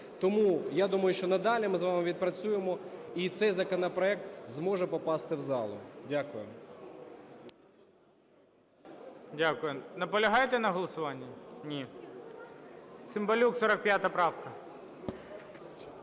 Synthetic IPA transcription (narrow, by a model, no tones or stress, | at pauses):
t̪ɔmujad̪umɐjʊʃt͡ʃɔnɐd̪ɑlʲimɪzʋɑmɪʋʲid̪̚pɾɐt͡sʲujemɔit̪sɛjzɐkɔnɐpɾɔɛkt̪zmɔʒɛpɔpɑst̪ɪwzɑlˠʊ̰dʲakʊjɛ̰m | dʲakʊjʊnɐpɔlʲɐɦɑjt̪ɛnɐɦɔlˠɔsʊʋɑnʲːinʲi | sɪmbɐlʲuksɔɾɐk̚pʲjat̪ɐpɾɑwkɐ